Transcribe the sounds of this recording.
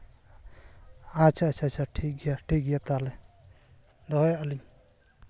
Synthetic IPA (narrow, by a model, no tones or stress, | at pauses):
at͡ʃʰat͡ʃʰat͡ʃʰaʈʰik̚ɡjaʈʰikɡijat̪ale | dɔɦjali